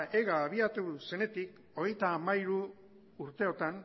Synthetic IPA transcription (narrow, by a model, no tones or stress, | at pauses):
ʔe̞ɣaːβ̞iat̪use̞ne̞t̪ik | o̞ɣ̞ejt̪aːmaiɾuː | ɾt̪e̞o̞t̪an